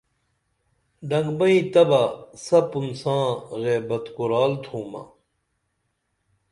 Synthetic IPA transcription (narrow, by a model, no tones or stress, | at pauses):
ɖɐ̃ŋɡbɐĩt̪ɐbasɐpunsãːɣeːbɐt̪kuɾaːlt̪ʰũːmɐ̰